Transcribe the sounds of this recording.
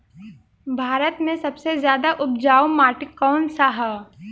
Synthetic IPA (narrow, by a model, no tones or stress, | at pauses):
bʱaːɾət̪mẽsɐbsezjaːd̪aʔʊp̚d͡ʒaːwmaːʈɪkɔːnsaɦa